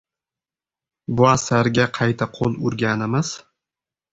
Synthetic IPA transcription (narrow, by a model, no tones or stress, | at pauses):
bʊasaɾɡʲaqʰɑjt̪ʰaqʰolˠʊɾɡʲanɪmɪz̥